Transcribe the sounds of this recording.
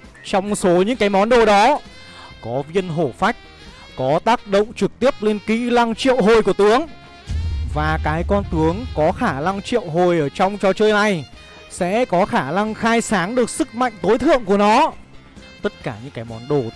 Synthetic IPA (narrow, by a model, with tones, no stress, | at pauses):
t͡ɕɔ˧wŋ͡mso˨˦ɲɨ̰˧˥ŋkaː˨˦jmɔ˨˦nɗo˨˩ɗɔ˨˦ | kɔ˨˦vi˧ənɦo˧˩fa˦˥jk̟̚ | kɔ˨˦t̪aː˦˥k̚ɗə̰˧˨wŋ͡mt͡ɕɨ˨˩k̚t̪i˦˥əp̚le˧nkḭ˧˥la˧ŋt͡ɕḭ˧˨əwɦo˨˩jku˧˩ə˩t̪ɨ˨˦əŋ | vaː˨˩kaː˨˦jkɔ˧nt̪ɨ˨˦əŋkɔ˨˦xaː˧˩na˧ŋt͡ɕḭ˧˨ə˨wɦo˨˩jʔəː˧˩t͡ɕɔ˧wŋ͡mt͡ɕɔ˧t͡ɕəː˧jna˨˩j | sɛ̰˧˥kɔ˨˦xaː˧˩na˧ŋxaː˧jsaː˨˦ŋɗɨ˨˩ək̚sɨ˦˥k̚ma̰˧˨jŋ̟t̪o˨˦jt̪ʰɨ̰˧˨əŋku˧˩ənɔ˨˦ | t̪ə˦˥t̚kaː˧˩ɲɨ̰˧˥ŋkaː˨˦jmɔ˨˦nɗo˨˩